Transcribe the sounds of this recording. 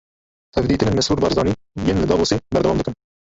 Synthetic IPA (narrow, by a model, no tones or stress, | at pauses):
t̪ʰɛvd̪iːt̪ɨnɨnmɛshuːɾbɑɾzd̪ɑːni | jenlɨd̪ɑːoːsebɛɾd̪ɛwɑːmd̪ɨkən